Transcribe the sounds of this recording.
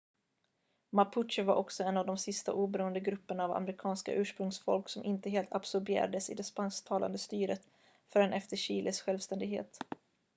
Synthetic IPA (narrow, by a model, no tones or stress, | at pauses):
mapʰʊtʂɪvaɾʔɔksɔɛnːavd̪ɔmsɪst̪a̰ʔuːbɛɾuːənd̪əɡɾɵpːəɳaːva̰mɾɪkʰɑːnska̰ʔʉ̟ːʂpɾɵŋsfɔ̰lksɔmʔɪnt̪əɦeːlt̪absɔɾbɪḛːɾa̰d̪əsɪ̰d̪ɛspanst̪ʰɑːlʔa̰nd̪əst̪yːɾət̪ | fœɾɛnʔɛft̪əɕiːlʔɪsɧɛlvst̪ɛnd̪ɪɡɦḛːt̪